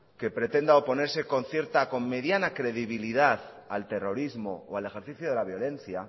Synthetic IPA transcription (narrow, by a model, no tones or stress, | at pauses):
ke̞pɾe̞t̪e̞nd̪aopo̞ne̞ɾse̞ko̞nθje̞ɾt̪ako̞mme̞ðjanakɾe̞ðiβiliðaθ | alt̪e̞ro̞ɾizmo̞oale̞xe̞ɾθiθjoðe̞laβjo̞le̞n̟θja